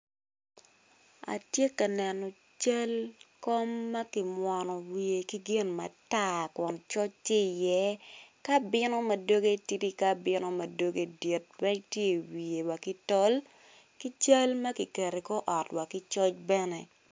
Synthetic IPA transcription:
a̰˨tje˦ka˨nɛ˨nɔ˨ | t͡ʃa˦lko˦mːɐ˦ki˨mwɔ˨nɔ˨wi˨e˨ki˦ɡɪ˦nma̰˨ta˦˨kɔ˨nt͡ʃɔ˦t͡ʃti˦˨jɛ˦ka˦bɪ˦nɔ˦ma˨do˦ɡe˦ti˦ti˦ka˦bɪ˦nɔ˦ma˨do˦ɡe˦di˨t̚wɛ˦k̚tje˦˨wi˨e˨wa˨ki˦tɔ˦l | ki˦t͡ʃɐ˦lmɐ˦ki˨ke˨ɾe˨kɔ˦ʔɔ˨twa˨kɪ˦t͡ʃɔ˦t͡ʃbɛ˦nɛ˨

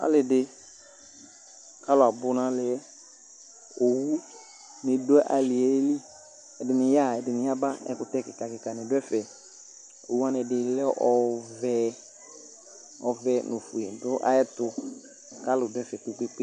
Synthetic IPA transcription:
a̰˨˦lɪ˨dɪ˨ | ka˦lʊ˨a˨bʊ˦nã˦lɪ˨ɛ˦ | o˨wu˦ | nɪ˨dʊ˦ɛ˦ʔa˨lɪ˨ɛ˨e˦li˦ | ɛ˨dɪ˨nɪ˨ja˦˨ɛ˨dɪ˨nɪ˨ja˦ba˦ɛ̰˦kʊ˦tɛ˦kɪ˨ka˨kɪ˨ka˨nɪ˨dʊ˦ɛ˦fɛ˨ | o̰˨wu˦a˦nɛ˨dɪ˨lɛ˦ʔɔ˨vɛ˦ | ɔ˨vɛ˨nʊ˨fu˨e˨dʊ˦ʔa̰˨ɛ˦tʊ˨ | ka˦lʊ˨dʊ˦ɛ˦fɛ˨k͡pe˦k͡pe˦k͡pe˦

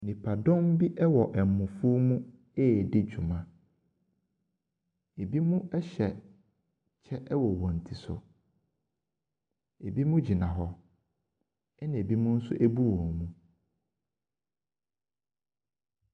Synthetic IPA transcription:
nɪ̃˨pʰa˨dɔ̃˦m˦bi˦ʔɛ˦wɔ˨ʔɛ˨m̩˨mʊ̃˨fu˦mũ˦ | ɛ˦˨dɪ˦d͡ʑᶣu˨mã˨ | e˨bi˦mũ˦ɛ˦ɕɛ˨ | t͡ɕʰɛ˦ʔɛ˦wɔ˨wɔ̃˨n̩˨tʰi˨sʊ̰˨ | e˨bi˦mũ˦d͡ʑi˨nã˨ɦɔ˦ | ɛ˦nã˨e˨bi˦mũ˦n̩˦sʊ̰˦ʔæ˦bu˦wɔ̃˨mũ˨

